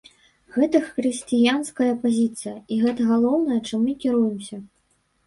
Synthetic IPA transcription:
ɣɛt̪ɐxɾɨsʲt͡sʲijanskɐjɐpazʲit̪sɨjɐiɣɛt̪ɐɣalˠɔwnɐjɐt͡ʂɨmːɨkʲiɾujɛmsʲɐ

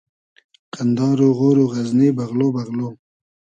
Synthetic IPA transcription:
qand̪ɑːɾoɣoːɾoɣaznebaɣlobaɣlo

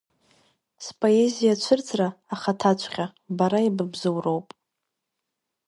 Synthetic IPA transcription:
spʼo̞e̞zijat͡ʃʷʰɨrt͡sʰraːχatʰat͡ʃʷʰχʲabaɾaibɨbzɨwro̞wpʼ

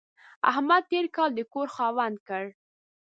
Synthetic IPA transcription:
a̰hmad̪̚t̪eɾkɑld̪əkoɾxɑwand̪̚kəɽ

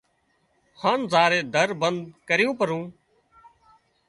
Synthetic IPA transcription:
haːɳzaːɾeːd̪ʱəɾbənd̪̚kəɾɪjũːpəɾũː

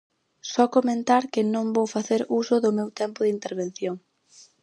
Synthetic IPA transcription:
sɔkomẽnt̪aɾkɪnõŋbowfaθeɾusʊðʊmewt̪ɛmpʊðɪint̪eɾβ̞enθjoŋ

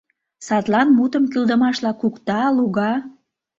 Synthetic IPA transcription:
sɑt̪lɑnmut̪əmkyld̪əmɑʃlɑkukt̪ɑluɣɑ

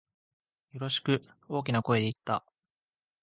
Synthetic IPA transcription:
jo̞ɾo̞ɕi̥kɯ̟ | o̞ːk̬ʲinako̞e̞d̪eit̪ːa

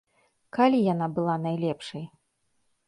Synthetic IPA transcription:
kalʲijanabɨlˠanajlʲɛpʂɐj

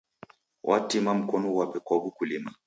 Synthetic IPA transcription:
wʔa̰timam̩kɔnɔwapɛkabukulima

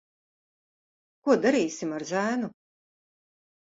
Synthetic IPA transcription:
kuɔd̪aɾiːsimaɾʒæːnu

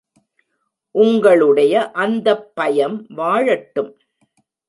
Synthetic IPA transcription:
ʔʊŋɡɐɭɯɽɐjɐʔɐnd̪ɐpːɐjɐmʋaːɻɐʈːɯm

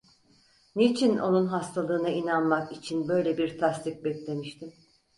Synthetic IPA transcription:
nit͡ʃʰino̞̰nunɦast̪ʰalˠɯːnainanmakit͡ʃʰinbø̞jlʲebiɾt̪ʰast̪ʰic̚bɛclʲe̞miʃt̪ʰim

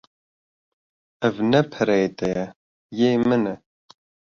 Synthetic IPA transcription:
ɛvnɛpʰɛɾɛet̪ɛjɛ | jeːmɨnɛ

